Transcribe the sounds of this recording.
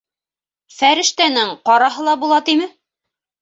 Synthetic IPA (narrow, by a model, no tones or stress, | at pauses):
fæɾɘ̆ʃt̪ænɘɴqɑɾɑɦɤ̆lˠɑbulˠɑt̪imɘ